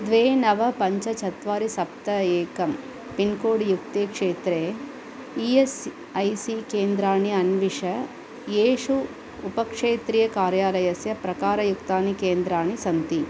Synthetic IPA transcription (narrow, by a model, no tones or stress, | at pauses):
d̪ʋeːnɐʋɐpɐɲt͡ʃɐt͡ʃʰɐt̪ʋaːɾisɐp̚t̪ɐeːkɐm | pinkoːɽijukt̪eːkʂeːt̪ɾeː | ies | ɐjsikeːnd̪ɾaːɳiɐnʋiʂɐ | jeːʂuː | pɐkʂeːt̪ɾiːjɐkaːɾjaːlɐjɐsjɐpɾɐkaːɾɐjukt̪aːnikeːnd̪ɾaːɳisɐnt̪i